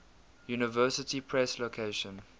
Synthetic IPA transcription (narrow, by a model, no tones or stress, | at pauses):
juːnɪvɜːˑsɪtipʰɹɛslokʰeɪʃə̃n